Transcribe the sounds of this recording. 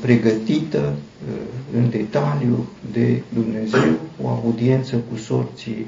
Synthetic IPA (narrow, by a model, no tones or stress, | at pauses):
pɾe̞ɡət̪it̪ə | ɨnd̪e̞t̪aljud̪e̞d̪umne̞ze̞wo̰aud̪ie̞nt̪səkuso̞rt̪si